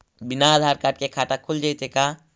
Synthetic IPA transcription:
binaːd̪ʱaːɾkaːʈ̚kekʰaʈakʰuld͡ʒajt̪eka

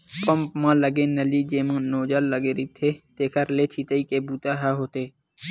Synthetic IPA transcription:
pəmpmãːləɡẽːnəliːd͡ʒeːmãːnoːd͡ʒaːlːəɡeːɾiːt̪ʰeːt̪eːkʰəɾleːt͡ʃʰiːt̪əiːkeːbuːt̪aːɦaːɦoːt̪eː

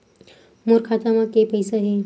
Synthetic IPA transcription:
moɾkʰat̪amãkepəjsəɦe

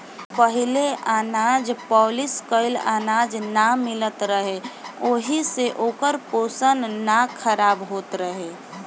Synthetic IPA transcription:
pəɦɪleʔaːnaːd͡ʒpɔːlɪskəɪla̰ːnaːd͡ʒnamɪlət̪ɾəɦeoːɦiseʔoːkəɾpoːsənnakʰəɾaːbɦoːt̪ɾəɦeː

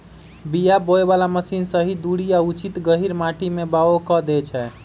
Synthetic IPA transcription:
bijaboebalaməsinsəɦid̪uɽijaut͡ʃʰit̪ɡəɦiɾmaʈʰimebaokɔd̪ɛt͡ʃʰɛ

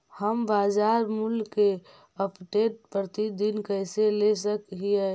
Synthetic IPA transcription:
həmbaːzaːɾmulke | əpʈeʈ̚pɾət̪id̪inkəɪselesəkɦie

